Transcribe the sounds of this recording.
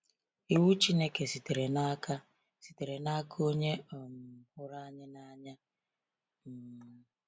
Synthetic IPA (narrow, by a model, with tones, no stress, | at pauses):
i˨wu˦t͡ʃi˦ne˦ke˨si˨te˨ɾe˨na˦ka˦ | si̥˨te˨ɾe˨na˦kʰo˦ɲe˦ɔ˨m̩˨hʊ˦ɾa˦ɲɪ˦na˦ɲa˦ | m̩˨